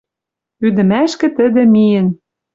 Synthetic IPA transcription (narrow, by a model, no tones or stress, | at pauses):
yd̪ɘ̆mæʃkɘ̆t̪ɘ̆d̪ĕmijə̆n